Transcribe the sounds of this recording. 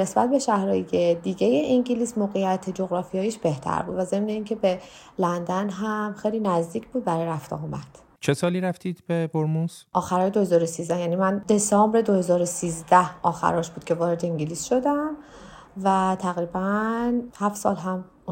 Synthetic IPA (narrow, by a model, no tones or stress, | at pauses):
ne̞sbæt̪̚be̞ʃæhɾɒːjed̪iːɟeje̞ʔiŋɟiliːsmoːɣejæt̪ʰed͡ʒoɣɾɒːfijɒːjiːʃb̥e̞ht̪ʰæ̰ɾbuːd̪væze̞mneiːŋcʰe̞be | lænd̪ænɦæmxejliːnæzd̪iːcʰbuːd̪̚bæɾɒːjɾæft̪ɒ̰ɒːmæd̪̥ | t͡ʃʰesɒːliːɾæft̪iːd̪beboɾmuzʔɒːxæɾɒːjed̪ohezɒːɾosiːzd̪æhjæːniːmænd̪e̞sɒːmbɾe̞d̪o̞he̞zɒːɾosiːzd̪æhɒːxæ̰ɾɒːʃb̥uːd̪̥̚cʰe̞vɒːɾed̪eiɲɟilisʃo̞d̪æm | væt̪ʰæɣɾiːbænhæftsɒ̰ːlɦæm